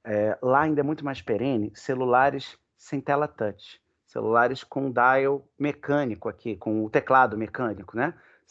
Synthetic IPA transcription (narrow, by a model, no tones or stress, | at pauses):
ɛlaaĩd̪ɐɛmũj̃t̪ʊmajspeɾẽnɪselulaɾɪs | sẽj̃t̪ɛlat̪ɐt͡ʃɪ̥ | sḛlṵlaɾɪskõd̪ajewmekɐ̃nikʊakʰikõʊt̪eklad̪ʊmekɐ̃nikʊnɛ